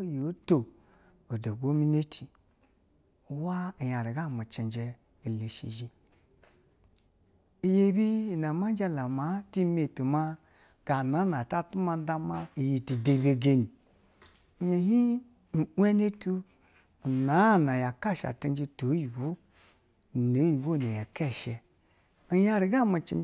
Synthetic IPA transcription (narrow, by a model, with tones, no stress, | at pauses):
jo˨˦to˨ | o˨do˨ɡo˦mi˦ne˦tʰi˨˦ | wa˦˨ja˨ɾi˨ɡa˦˨mu˨t͡ʃe˨nd͡ʒɛ˧ | i˨le˨ʃḭ˨d͡ʒi˨ | i˨je˧˦bi˦˨na˨ma˦n˦d͡ʒa˦la˨ma˨˦ti˦me˨pi˨ma˦ | ɡ̥a˨na˨˦na˨ta˦tu˦ma˧n˦da˦ma˦i˨ji˨ti˨de˧˨be˧ɡe˧ni˨ | ɲe˨ɦi˦ | n̩ʷ˨˦e˦ne˦tu˦˨ | na˨˦˨na˨ja˨ka˦˨ʃa̰˨ti˧˦d͡ʒi˧to˨˦ji˨wo˦˨ | no˨˦ji˨wo˦˨ne˨ja˨kɛ˦˨ʃɛ˧ | i˨ja˧ɾi˨ɡa˦˨mu˨t͡ʃḭ˨